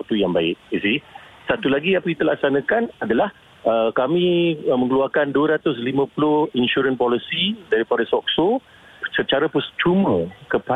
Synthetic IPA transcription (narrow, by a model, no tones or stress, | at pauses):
k̚t̪ujaŋbaɪʔ̚isisat̪ulaɡiapəit̪əlak̚sanãkanadalah | əkamĩmə̃ŋəluarkanduəɾat̪ʊs̬limãpulʊhinʃuɾənpɔlisidaɾipadasɔk̚so | sət͡ʃaɾapəst͡ʃumə̃kəpa